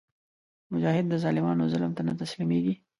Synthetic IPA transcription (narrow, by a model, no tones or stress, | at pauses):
mʊd͡ʒɑhɪd̪ːəzɑlɪmɑnozɪlmt̪anat̪aslimeɡi